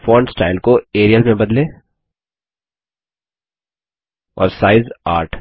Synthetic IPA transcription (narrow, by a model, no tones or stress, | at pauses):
fɔːɳɖsʈaːɪlkoeːɾijəlmẽbɐd̪lẽː | ɔ̰ːɾsaːɪza̰ːɾʈʰ